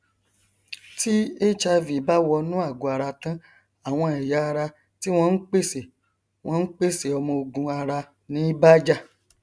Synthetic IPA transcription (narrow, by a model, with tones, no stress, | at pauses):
ti˦e˦t͡ʃa˧vi˨ba˦wɔ˧nũ˦a˦˨ɡu˨a˨ɾa˧tã˦ | a˦˨w̃ɔ̃˧ɛ˨ja˨˦a˧ɾa˧ | ti˦w̃ɔ̃˦n̩˦k͡pe˦˨se˨ | w̃ɔ̃˧n̩˦k͡pe˦˨se˨ɔ˧mɔ̃˧o˧ɡũ˧a˧ɾa˧ | nĩ˨˦i˦ba˦d͡ʒa˦˨